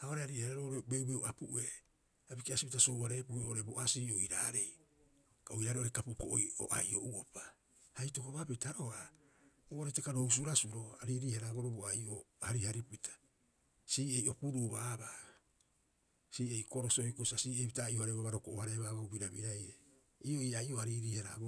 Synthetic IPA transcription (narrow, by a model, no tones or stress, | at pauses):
aoɾehaɾiːhaɾaɾoɾebewbewapuʔe̞ | abikeasipitaso̞wβaɾe̞ːpueoɾe̞boʔasiːoiɾaːɾe̞j | kaojɾaːɾeʔoɾekapukoʔo̰jo̰ʔa̰jo̰ʔuopḁ | hajtokoβapetaʔoa | ooɾetekaɾous̬uɾasuɾoaɾiɾiːhaɾaːɡoɾoboaijohaɾihaɾipitʰḁ | siːe̞jo̞puɾuβaβa | siːejkoɾosojkosiasiːepitaiohaɾeβaβaɾokoʔohaɾe̞βaβawbiɾaβiɾajɾe | io̞iajo̞aɾiɾiːhaɾaɡo